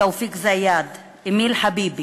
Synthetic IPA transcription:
awfiːkzajːaːd̪ | ʔɪmiːlħabiːbi

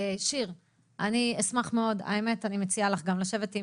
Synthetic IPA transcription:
ʃiʁ | ʔaniesmaχmeo̞da̰eme̞tanimet͡sialaχɡamlaʃe̞veti

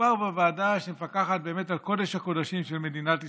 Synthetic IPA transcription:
aʁbavaːdaʃemefakaχat̪̚be̞ːme̞talko̞de̞ʃhako̞daʃimʃelme̞d̪inati

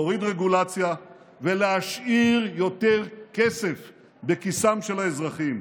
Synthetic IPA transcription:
oʁid̪ʁeɡulat͡sja | veleaʃiʁjo̞t̪e̞ʁkese̞f | bekisamʃe̞lhaezʁaχim

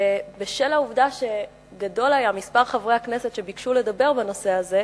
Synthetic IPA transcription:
ebeʃelauvdaʃe̞ | ɡado̞lajamispaʁχavʁeakneset̪ʃebikʃule̞dabe̞ʁbano̞se̞aze̞

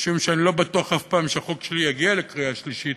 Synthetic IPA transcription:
ʃumʃeanilo̞bat̪uaχafpaːmʃeaχokʃelijaɡialekʁiaʃliʃit

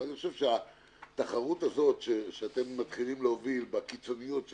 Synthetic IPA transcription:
niχoʃevʃea | t̪aχaʁutazo̞t̪ʃeʃeat̪e̞mːat̪χilimlehovilbakit͡so̞nijutʃ

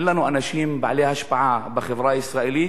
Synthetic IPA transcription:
lːanuʔanaʃiːmba̰ʕleːhaʃbaʕabaxɪvɾˤɑːjɪsɾaːʔiliː

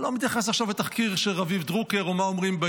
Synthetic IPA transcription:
lomit̪jaχesaχʃavlet̪aχkiʁʃeʁavivd̪ʁukeʁomaomʁimbe

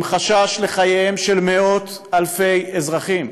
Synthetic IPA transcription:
mχaʃaʃle̞χajeemʃelmeo̞t̪ | alfejezʁaχim

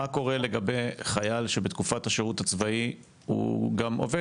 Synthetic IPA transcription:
ako̞ʁe̞le̞ɡabejχajalʃebet̪kufathaʃeʁutat͡svai | hṵɡamo̰ve

